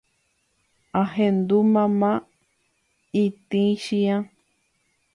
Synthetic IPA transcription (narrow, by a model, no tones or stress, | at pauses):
aɦend̪umãmã | it̪ĩʃĩã